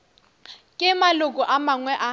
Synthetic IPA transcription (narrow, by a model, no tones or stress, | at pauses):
kʼɪmalʊkʼɔʔamaŋwɛʔa